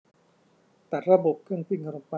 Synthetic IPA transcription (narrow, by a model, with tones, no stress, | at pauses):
t̪a˨˩t̪̚ɾa˧bo˨˩p̚kʰɯ˥˩əŋpʰi˥˩ŋka˧ɾo˧mpa˧